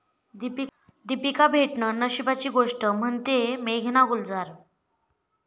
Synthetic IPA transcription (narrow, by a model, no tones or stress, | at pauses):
d̪ipi | d̪ipikabʱeʈɳənəɕibat͡ɕiːɡoʂʈəm̤əɳt̪emeɡʱnaɡuld͡zaɾ